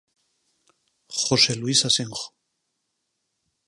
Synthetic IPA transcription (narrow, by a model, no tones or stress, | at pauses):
χoseluisaseŋχo̥